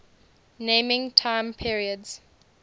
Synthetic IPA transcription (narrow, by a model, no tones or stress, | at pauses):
nẽmɪ̃ŋtʰãɪ̃mpʰiɹiədz̥